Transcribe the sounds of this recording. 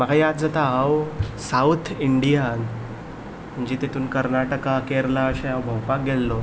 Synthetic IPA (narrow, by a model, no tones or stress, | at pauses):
məkajat̪̚d͡zat̪aɦawsawt̪ʰiɳɖijan | m̤əɳd͡ʑet̪et̪uːnkəɾnaʈəkakeɾlaɕẽɦawbʱəwpak̚ɡelːo